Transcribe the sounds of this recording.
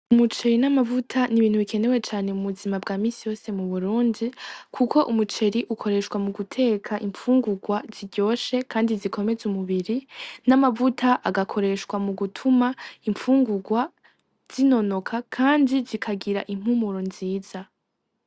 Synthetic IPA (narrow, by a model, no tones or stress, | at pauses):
umut͡ʃe̞ɾinamavutʰaniβiːn̥huβikʰe̞ne̞we̞t͡ʃaːne̞uβuzimabɡaːmiːsijo̞ːse̞muβuɾuːndikʰukʰo̞ʔumut͡ʃe̞ɾiʔukʰo̞ɾe̞ʃwamuɡutʰe̞ːkʰaʔiɱfuːŋɡuɡwaz̥iɟo̞ːʃe̞kʰaːndizikʰo̞me̞zumuβiɾinamavutʰaʔaɡakʰo̞ɾe̞ʃkwamuɡutʰumaiɱfuːŋɡuɡwa | z̥ino̞no̞kʰakʰaːndizikʰaɡiɾa̰ʔim̥humuɾonziːz̥a